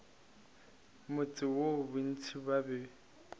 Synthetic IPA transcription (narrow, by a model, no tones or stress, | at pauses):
mʊt͡sʼɪwobʊn̩t͡sʰibabɛ